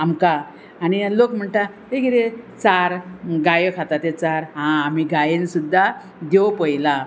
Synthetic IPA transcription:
amka | anilokm̤əɳʈ̪a | t̪ekiɾet͡saɾɡajəkʰat̪at̪et͡saɾɦãːm̤iɡajensud̪ʱːa | d̪ewpəjla

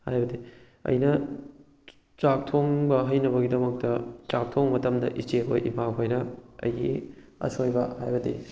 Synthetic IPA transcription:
hajbɐdi | ɐ̰jnɐ | t͡ʃak̚tʰoŋbɐɦɐjnɐβɐɡidɐmɐk̚tɐt͡ʃak̚tʰoŋmɐtɐmdɐ̰ʔit͡ʃekʰo̰ʔḭmakʰojnɐɐ̰jiɐ̰sojbɐhajbɐdi

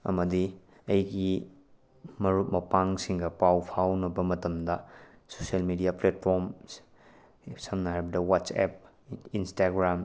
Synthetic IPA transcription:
ɐ̰mɐdi | ɐjɡi | mɐɾut̚mɐpaŋsiŋɡɐpawpʰawnɐbɐmɐtɐmdɐ | soselmidijaplet̚pʰoɾms | sɐmnɐɦaɾbɐdɐwat͡ʃḛp̚ | instaɡɾam

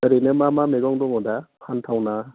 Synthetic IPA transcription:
əɾinemamameɡɔŋdɔŋɔdapʰantʰawna

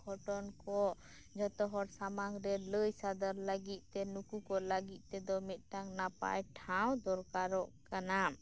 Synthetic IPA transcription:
ɡʱɔʈɔnkɔ | d͡ʒɔt̪ɔɦɔɾsamaŋɾɛləjsad̪aɾləɡit̪̚ˀt̪ɛnukukɔləɡit̪̚ˀt̪ɛd̪ɔmɛt̪̚ˀʈaŋnapa̰jʈʰawd̪ɔɾkaɾɔʔkana

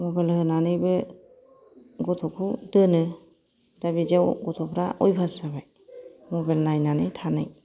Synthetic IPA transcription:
mɔbajlhɯnanɯjbɯ | ɡɔt̪ʰɔkʰudɯnɯ | dabizewɡɔt̪ʰɔpʰɾaʔɔjbʰʱasabaj | mɔbalnajnanɯjtʰanaj

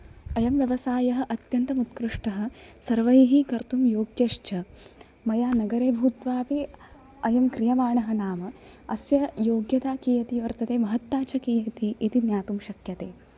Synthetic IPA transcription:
ɐjɐmʋjɐʋɐsaːjɐɦɐʔɐt̪jɐnt̪ɐmut̪kɾuʂʈɐɦɐ̆sɐɾʋɐjɐɦikɐɾt̪umjoːɡjɐʃt͡ʃɐ | mɐjaːnɐɡɐɾeːbʱuːt̪ʋaːpi | ɐjɐmkɾijɐmaːɳɐɦɐnaːmɐ | ɐsjɐjoːɡjɐt̪aːkiːjɐt̪iʋɐɾt̪ɐt̪eːmɐɦɐt̪ːaːt͡ʃʰɐkiːjɐt̪iʔit̪injaːt̪umʃɐkjɐt̪eː

